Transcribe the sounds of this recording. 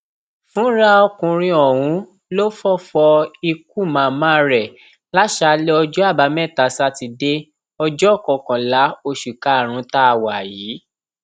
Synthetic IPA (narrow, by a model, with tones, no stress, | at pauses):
fũ˨˦ɾa˦ɔ˧kũ˧ɾ̃ĩ˧ɔ˨wũ˨˦ | lo˦fɔ˦˨fɔ˧i˧k̚u˦˨mã˨mã˦ɾɛ˨ | la˦ʃa˧le˦ɔ˧d͡ʒɔ˦a˦˨ba˨˧˦mɛ˦˨ta˨˦sa˧ti˧de˦ | ɔ˧d͡ʒɔ˦ɔ˦˨kɔ˨kã˨la˨˦o˧ʃu˨ka˨˦˨ɾ̃ũ˨˦ta˦a˨wa˨jiː˨˦